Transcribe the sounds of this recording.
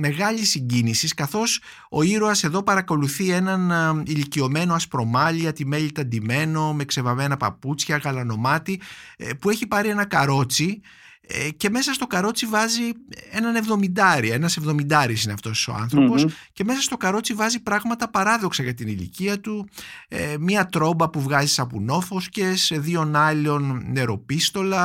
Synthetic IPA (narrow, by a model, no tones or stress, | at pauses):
me̞ɣɐʎisiɲɟinisiskɐθo̞s | o̞̰iɾoɐse̞ðo̞pɐɾɐko̞luθie̞nɐnilicio̞me̞no̞ɐspɾo̞mɐliɐt̪ime̞ʎit̪ɐd̪ime̞no̞me̞kse̞vɐme̞nɐpɐ̰put͡sçɐɣɐlɐno̞mɐt̪ipueçipɐɾie̞nɐkɐɾo̞t͡si | ce̞me̞sɐst̪o̞kɐɾo̞t͡sivɐzie̞nɐne̞vðo̞mind̪ɐɾiɐe̞nɐse̞vðo̞mind̪ɐɾisineɐft̪o̞so̞̰ɐ̰nθɾopo̞sce̞me̞sɐst̪o̞kɐɾo̞t͡sivɐzipɾɐɣmɐt̪ɐpɐɾɐðo̞ksɐʝɐt̪inilḭciɐt̪uemiɐt̪ɾo̞bɐpuvɣɐzisɐpuno̞fo̞scesðio̞nɐlo̞nːe̞ɾo̞pist̪o̞lɐ